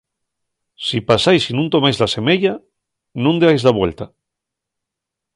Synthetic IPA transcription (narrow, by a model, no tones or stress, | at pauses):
sipasajsinũnt̪o̞majzlase̞meʎa | nũnd̪eajzlaβwe̞lt̪a